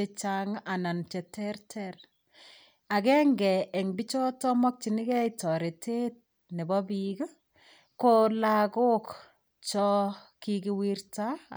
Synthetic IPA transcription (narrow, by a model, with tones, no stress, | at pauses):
e˦t͡ʃaŋa˨na˨nt͡ʃɛ˨tɛ˦rtʰɛɾ | a˨ɡɛ˦ŋɡɛ˨ʔɛ˨ŋbi˦t͡ʃɔ˦tɔ˦mɔ˦k̚t͡ʃi˨nɪ˦kɛ˦itɔ˨ɾe˨tʰe˦t̚ | ne˨bɔ˦biɡ | kolaɡo˦k | t͡ʃɔ˦ki˦ɡi˦wirta˦